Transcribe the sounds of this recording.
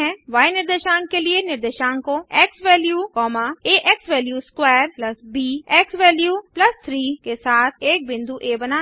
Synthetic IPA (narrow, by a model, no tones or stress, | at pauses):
ɛ̃ʋaːjnɪɾd̪eʃaːŋkelienɪɾd̪eʃaːŋkoɛːksʋɛːljuːkɔːmaeːʔɛksʋɛːljuːskwɛːɾplɐsbiːɛksʋɛːljuːplɐst̪ʰɾiːkesaːt̪ʰeːk̚bɪ̃nd̪ʱuʔeːbɐnaː